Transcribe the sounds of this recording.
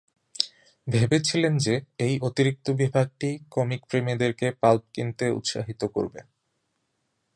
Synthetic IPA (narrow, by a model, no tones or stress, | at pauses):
bʱebet͡ɕʰilend͡ʑeejʔot̪iɾik̚t̪obibʱaɡ̚ʈikɔmikpɾemid̪eɾkepalp̚kint̪eṵt̪ʃa̰ɦit̪oko̰ɾbḛ